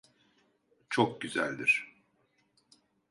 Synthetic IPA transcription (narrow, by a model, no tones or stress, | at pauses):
t͡ʃʰok̚ɟyzæ̰lʲd̪iɾ̥